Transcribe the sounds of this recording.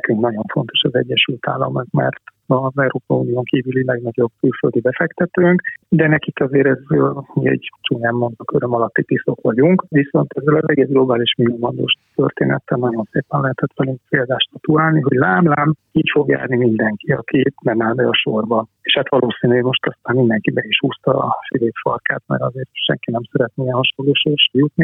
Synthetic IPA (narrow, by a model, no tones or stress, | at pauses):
nɛkyŋknɒɟo̞ɱfo̞nt̪o̞ʃɒzɛɟːɛʃylt̪a̰ːlːɒ̰mukmɛ̰rt̪ɒzɛwɾoːpɒiuːnijoːŋkiːvylilɛɡnɒɟo̞b̚kylføld̪ibɛfɛkt̪ɛt̪øːŋkd̪ɛnɛkikɒzeːɾɛzmḭɛ̰ɟt͡ʃunɛmːo̞nd̪ɒkøɾømɒlɒt̪ːip̪iso̞kʋɒɟuŋkʋiso̞nt̪ɛzːɛlɒzɛɡeːzɡlo̞baːliʃmioːmɒnd̪o̰ːʃt̪ø̰rt̪ḛːnʔɛ̰t̪ːɛnɒɟo̞nseːpɛnlɛɦɛt̪ɛt̪ʋɛlyŋkpeːld̪aːʃt̪ɒt̪uaːlniɦo̞ɟlaːmlaːmiːcfo̞ɡja̰ːrnimind̪ɛŋkiɒ̰kimɛnaːnbɛɒʃorbɒeːʃhat̪ʋɒloːsiːnyɛmo̞ʃt̪ɒst̪aːmmind̪ɛŋkibɛiʃhuːst̪ɒ̰fileːpfɒ̰rka̰ːt̪mɛ̰ɾɒzeːrʃɛ̰ŋkinɛmsɛɾɛt̪neɛhɒʃolːoːʃoːʃɛjut̪ni